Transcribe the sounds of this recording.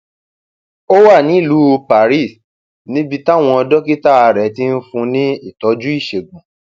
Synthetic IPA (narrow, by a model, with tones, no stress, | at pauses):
o˦wa˦˨nĩ˨˦i˦˨lu˨˦o˧pa˨ɾi˦˨s | nĩ˨˦bi˧ta˦˨w̃ɔ̃˧ɔ˧dɔ˦ki˦ta˦a˧ɾɛ˨˦ti˦n̩˦fũ˧nĩ˦i˦˨tɔ˨˦d͡ʒu˦i˦˨ʃe˨ɡũ˨